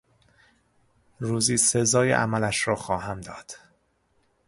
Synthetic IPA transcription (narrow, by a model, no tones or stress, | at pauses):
ɾuːziːsezɒːjḛʔæ̰mælæʃɾɒːxɒːɦæmd̪ɒːd̪̥